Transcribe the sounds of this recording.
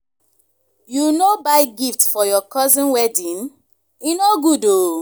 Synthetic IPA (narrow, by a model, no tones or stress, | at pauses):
junobaɪɡiftfɔjɔkɔzĩnwɛdĩn | inoɡudo